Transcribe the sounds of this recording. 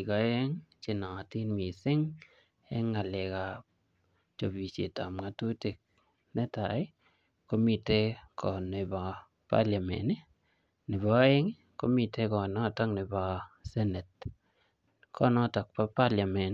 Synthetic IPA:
i˨kɔ˨e˦ŋt͡ʃɪ˦nɔ˨a˨ti˦nmi˨sɪ˦ŋ | ɛ˦ŋa˨le˨ka˨ | t͡ʃo˨bi˨t͡ʃḛ˨tɔ˨mŋa˨tu˦ti˨k̚ | ne˦ta˨ɪ˦ | ko˦mi˨te˦kʰɔ˨nɪ˨ba˨ | pa̰˦lja˨mɛ̰˨nɪ˦ | nɪ˨bɔ˨˦e˦ŋ | ko˦mi˨te˦kɔ˨nɔ˦˨tɔ˦ŋnɪ˨ba˨sɛ˦ne˨t̚ | kʰɔ˦nɔ˦˨tɔ˨k̚pa˦pa˦lja˨mɛ˨n

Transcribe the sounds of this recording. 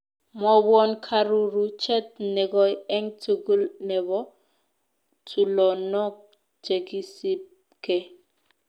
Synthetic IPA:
mɔ˨bwɔ˦nkʰa˦ɾu˦ɾu˦t͡ʃʰɛ˦t̚nɛ˨ɡɔ˦jɛ˦ŋtʰu˨ɡu˦lnɛ˨βɔ˦ | tʰu˨lɔ˨nɔ˦k̚ | t͡ʃe˨ki˦si˦p̚ | kɛ˨

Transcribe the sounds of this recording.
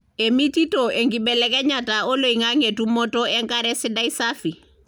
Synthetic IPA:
emi˦ti˦tɔʔe˨ŋɡi˨bɛlɛ˦kɛ˦ɲatao˦lo˨iŋa˦ŋe˨tu˦mɔ˦tɔ˦ɛ˦ŋka˦ɾɛ˦si˦da˦isafi˨

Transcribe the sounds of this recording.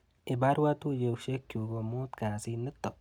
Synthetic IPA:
ɪ˨ba˦ɾwa˦t̪u˦jewʃe˦kːju˨ɡo˨mo˦t̪kaː˨si˦nɨ˦t̪ːo˨

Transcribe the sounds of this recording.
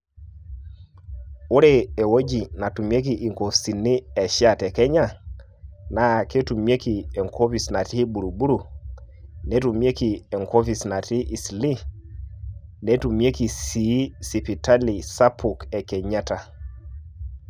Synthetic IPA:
u˦ɾe˦e˨wo˦d͡ʒi˨na˨tu˨mi˦e˦k̬i˨ʔi˨ŋko˨fsi˨ni˦ɛ˨ʃi˦a˦˨tɛ˨kɛ˦ɲa˦ | na˨ke˦tu˨mi˦e˦ki˨ɛ˨ŋkʰo˦fi˨sna˨ti˦ɓu˨ɾu˨ɓu˦ɾu˨ | nɛ˦tu˨m˦e˦ki˨ɛ˨ŋko˦fi˨sna˨ti˦ʔi˨sli˦ | ne˦tu˨mi˦e˦ki˨si˨˦si˨pi˨ta˦li˨sa˦pʰu˨kɛ˨kɛ˨ɲa˦ta˨

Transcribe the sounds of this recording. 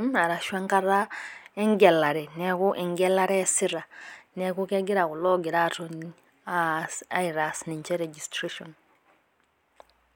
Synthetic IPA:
ma˨ɾa˨ʃwa˦ŋka˦ɾa˦ɛ˦ŋɡɛ˨la˨ɾɛ˨nɛ˨ku˦ʔɛ˨ŋɡɛ˦laɾɛsiɾa˨ne˨ku˦ke˦ɡi˦ɾa˨ɣu˨lɔ˦ɡɛ˨ɾa˨tʰun | asa˦iɾasni˨nt͡ʃɛ˦ɾɛ˨d͡ʒistɾiʃɔn

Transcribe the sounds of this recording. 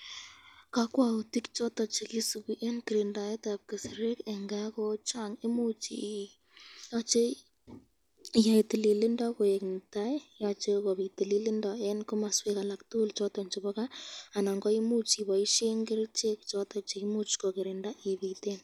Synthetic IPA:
ka˦kwa˨u˨ti˦kt͡ʃɔ˦tɔ˨t͡ʃe˨ki˦su˨kuʔe˦nkɪɾɪ˨nda˨e˦tap̚kɪ˨sɪ˨ɾe˦ke˨ŋɡa˦kɔt͡ʃa˦ŋɪ˦mu˦t͡ʃḭ | jɔt͡ʃe˦ | ja˨itɪ˨li˨lɪ˦ndɔ˦ko˨e˨knta˦jat͡ʃe˦ko˨βi˨tɪ˨li˦li˦ndɔ˨e˦nko˦ma˨swe˦ka˨la˨ktu˦lt͡ʃɔ˦tɔ˨nt͡ʃɪbɔ˦ka˦a˨na˨ŋɡɔ˦i˦mu˦t͡ʃi˨ba˨i˦ʃe˦ŋɡɪ˦ɾt͡ʃe˦k̚t͡ʃɔ˦tɔ˨t͡ʃe˨ki˦mu˦t͡ʃkɔ˨kɪ˨ɾɪ˨nda˦ʔi˨βite˦n

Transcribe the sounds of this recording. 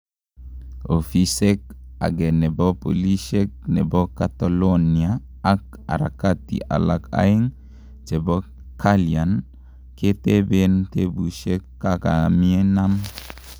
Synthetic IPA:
o˨fi˦se˦k̚a̰˨ɡɛ˨nɛ˨bɔ˦po̰˨li˦ʃe˦k̚nɛ̰˨bɔ˦ka˨t̪a˨lo˦nia | a˨k | a̰˨ɾa̰˨ka˦tḭ˨ʔa̰˨la˨ka̰˦ɪ˦ŋ | d͡ʒɛ˨bɔ˦ | kʰa˦lia˨n | ke˦te˦be˦nte˦bu˨ʃe˦kːa˦ka˨mi˦e˦na˦m

